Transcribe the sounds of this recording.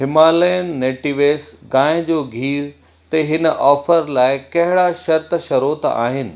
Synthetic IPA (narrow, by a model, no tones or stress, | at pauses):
ɦɪmaːləjən̆ːeːʈiʋeːsɡãːɪ̃d͡ʑoːɡʱiːɾ | t̪ɐɦɪnəʔɔːfəɾlaːɪkɐɦɪɽaʃɐɾt̪ʃɐɾoːt̪a̰ːɦɪnɪ̆